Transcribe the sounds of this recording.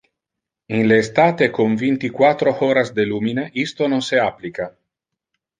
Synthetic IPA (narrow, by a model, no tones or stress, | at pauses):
inleːst̪aːt̪ekoɱvint̪ikwat̪ɾooɾazd̪eluːmineʔist̪ononseaplika